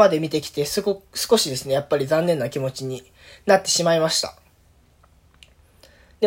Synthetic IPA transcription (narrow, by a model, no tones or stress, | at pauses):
ad̪e̞mʲit̪e̞kʲi̥t̪e̞sɨosɨ̥ko̞ɕid̪e̞sɨne̞japːaɾʲizãnːẽ̞nːakʲimo̞t͡ɕiɲ̟i | nat̪ːe̞ɕimaimaɕi̥t̪a̰ | d̪̥e